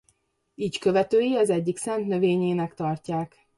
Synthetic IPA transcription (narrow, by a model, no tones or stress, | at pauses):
iːckø̞vɛt̪øːjiɒzɛɟːiksɛnt̪nø̞veːɲeːnɛkt̪ɒrcaːk